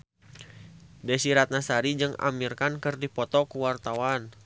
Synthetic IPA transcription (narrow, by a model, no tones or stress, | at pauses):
dɛsiɾat̪̚nasaɾid͡ʒɨŋa̰mirkankɨrdipɔt̪ɔkuwart̪awan